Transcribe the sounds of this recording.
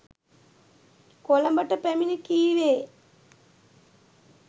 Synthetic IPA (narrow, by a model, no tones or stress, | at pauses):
kolɐmbəʈəpæminəkiːʋeː